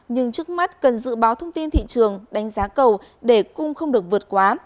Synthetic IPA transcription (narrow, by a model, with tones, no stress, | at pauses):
ɲɨ˧ŋt͡ɕɨ˦˥ək̚ma˦˥t̚kə˨˩nzɨ̰˧˨ɓaː˨˦wt̪ʰə˧wŋ͡mt̪i˧nt̪ʰḭ˧˨t͡ɕɨ˨˩əŋɗa˨˦jŋ̟zaː˨˦kə˨˩w | ɗe˧˩kʊ˧ŋ͡mxə˧wŋ͡mɗɨ˨˩ək̚vɨ˨˩ət̚kwaː˨˦